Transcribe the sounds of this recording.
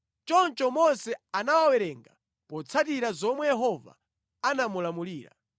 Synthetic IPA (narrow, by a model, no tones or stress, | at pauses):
t͡ʃɔnt͡ʃɔmɔnsɛanawawɛɾɛŋɡa | pɔt͡sʰatiɾazɔmwɛjɛɦɔva̰ | anamulamuliːɾa̰